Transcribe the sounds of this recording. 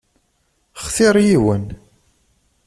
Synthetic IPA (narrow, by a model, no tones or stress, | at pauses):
χθɪɾˤjiwən